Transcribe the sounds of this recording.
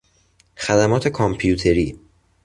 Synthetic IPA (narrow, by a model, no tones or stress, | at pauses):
xæd̪æmɒːt̪ʰe̞kʰompʰijuːt̪ʰe̞ɾiː